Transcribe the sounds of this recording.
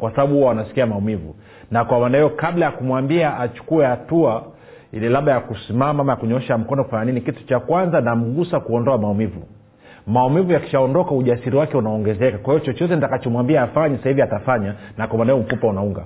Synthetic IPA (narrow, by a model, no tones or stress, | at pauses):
kwasaɓaɓuhuwawanasi̥kiamaumivṵ | nakwamanaɛjɔkaɓlajakumwambiaʔat͡ʃu̥kuɛhatua | laɓajakusimamaamajakuɲɔɛʃam̩kɔnɔku̥faɲaninikitu̥t͡ʃakwanzanam̩ɠusakuɔndɔamaumivṵ | maumivujaki̥ʃaɔndɔkauʄasiɾiwakɛunaɔŋɡɛzɛkakwahivɔt͡ʃɔt͡ʃɔtɛnitakat͡ʃɔmwambiɛːfaɲɛsahiviatafaɲanakwamanaɛɔm̩fupaunauŋɡa̰